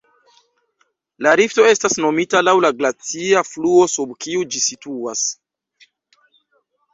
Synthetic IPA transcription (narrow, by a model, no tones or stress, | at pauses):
laɾifto̞e̞stasno̞mitalawlaɡlat͡siafluo̞subkiud͡ʒisituas